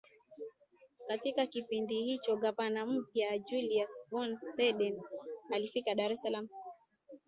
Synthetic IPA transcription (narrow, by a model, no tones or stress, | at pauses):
katikakipindihit͡ʃɔɠapanam̩p̚jad͡ʒuliasbɔnsɛɗɛnalifikaɗaɾɛsalam̩